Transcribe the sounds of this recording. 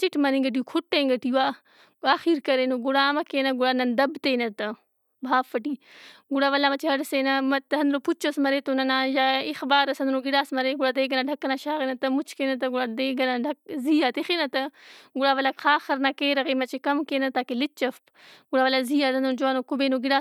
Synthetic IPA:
t͡ʃɪʈʰmɐɾĩŋɡəʈ̬ikʰʊʈːẽːŋɡɐʈiːʋaː | aːxiːɾkɐɾeːnoɡʊɽaːmɐkeːnɐɡuɽaːnɐnd̪ɐbt̪eːnɐt̪ɐ | bʱaːfɐʈiːɡʊɽaːʋɐlaːmɐt͡ʃʰeɦɐɽseːnɐmɐt̪ɐnd̪ɾoput͡ʃosmɐɾeːt̪onɐnãːjaːɪxbaːɾɐsɐnd̪ɾoɡɪɽaːsmɐɾeːɡʊɽaːd̪eːɡənaɖʱɐkːnaːʃaːɣenɐt̪ɐmʊt͡ʃʰkeːnɐt̪ɐɡuɽad̪eːɡɐnaɖɐk̚ziːaːt̪exeːnɐt̪ɐɡʊɽaːʋɐlaːxʰaːxɐɾnaːkeːɾɐɣeːmɐt͡ʃekɐmkeːnɐt̪aːkelɪt͡ʃɐfp | ɡʊɽaːʋɐlaːziːaːt̪ɐnd̪ɾod͡ʒoaːnoːkubeːnoɡɪɽaː

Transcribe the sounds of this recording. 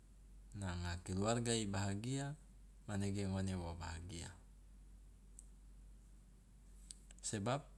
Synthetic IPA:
naŋakiluarɡaibaɦaɡia | maneɡeŋonewobaɦaɡia̰ | sebap̚

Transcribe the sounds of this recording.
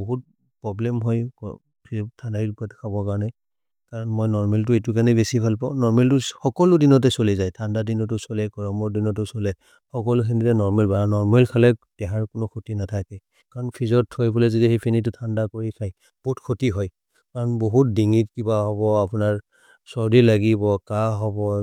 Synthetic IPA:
boɦut̚ | pɹɔblɛmɦɔjkɔ | pʰitʰandailpatkʰabɔkaɹɔnɛ | kaɹɔnmɔjnɔɹmɛlt̬ʊet̬ukanɛbesipʰalpɔ̃nɔɹmɛltʊxɔkɔlʊdinɔt̬ɛsolɛzajtʰandadinɔtʊsolɛkɔɹɔmɔɹdinɔtʊsolɛ | xɔkɔlʊxenitɛnɔɹmɛlbaɔnɔɹmɛlkʰalɛdɛɦaɹkʊnʊkʰotinatʰakɛ | kaɹɔnpʰizɔtʰːojbɔlɛzidixepʰenit̬ʊtʰandakoɹikʰaj | b̥otkʰotiɦɔj | kaɹɔnboɦut̚diŋit̚kibaɦɔβɔapʊnaɹ | sɔɹdilaɡibɔkaɦɔbɔ

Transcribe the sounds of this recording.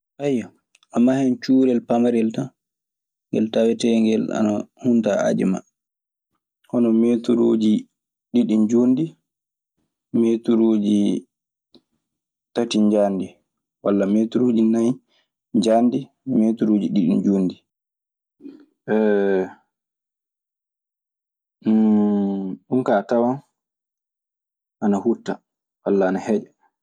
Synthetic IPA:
ʔajːa | ʔamːahɛnt͡ʃuːɾɛlpamaɾɛlta | ŋɡɛ̰ltawɛtɛŋɡɛla̰nahuntaa̰d͡ʒɛ̰ma̰ | hɔnɔmeːtuɾod͡ʒi | ɗiɗind͡ʒondi | meːtuɾoːd͡ʒi | tatiɲd͡ʒandi | walːametuɾod͡ʒinaj | ɲd͡ʒandi | meːtuɾoːd͡ʒiɗiɗḭnd͡ʒoːndi | ʔɛ | ɗunkatawan | ʔanahutːa | walːaːnahɛd͡ʒɛ

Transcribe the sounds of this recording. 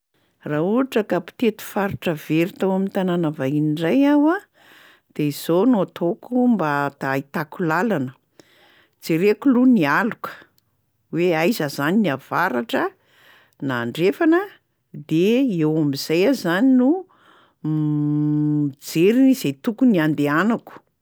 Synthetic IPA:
rauaʈ͡ʂəkapi̥t̪et̪u̥faɾuʈ͡ʂəveɾit̪awamint̪ananavaɦiniɳɖ͡ʐajawa | d̪̥eiz̥onoat̪ʰokumbat̪ait̪akulalanə | d͡zeɾekulunialukə̥ | weajzəzaniniav̥aɾaʈ͡ʂə | naːɳɖ͡ʐefanə | d̪eewamizajazaninu | d͡zeɾinizet̪ukuniand̪eanaku̥

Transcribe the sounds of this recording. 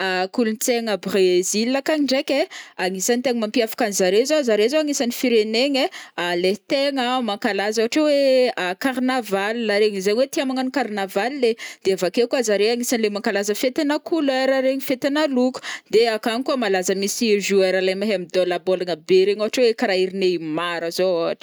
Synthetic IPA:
akulunt͡seŋəbrezilːakaɲiɳɖ͡ʐekʲeaŋisanit̪eŋimampiafḁkanizaɾezozaɾezoaŋisanifiɾeneɲealet̪eŋəmaŋkalazawaʈ͡ʂeweakarnavalilaɾeŋizaɲiwet̪iamaŋanikarnavalled̪̥eavakekuazaɾeaŋisanlemaŋkalazəfet̪enakuleɾaɾeɲifet̪enaluku̥d̪eakaŋikuamalazəmisiʒueɾalajmaɦamid̪olabolanəbeɾeɲawaʈ͡ʂewekaɾaiɾineimaɾəzoaaʈ͡ʂə̥

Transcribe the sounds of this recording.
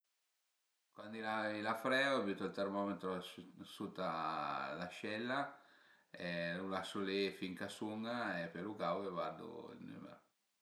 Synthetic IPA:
kwand̪ilailafɾɛabyt̪alt̪ɛrmɔmet̪ɾosut̪ːalaʃɛlːa | ɛlulasolefiŋkasuŋaepelukawkevad̪ːo̰ḭlny̰mḛɾo

